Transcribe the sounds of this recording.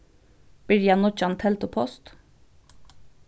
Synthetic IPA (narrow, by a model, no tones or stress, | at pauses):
b̥iɾjɑnɔt͡ʃɑnt̪ʰɛlt̪ʊpʰɔst̪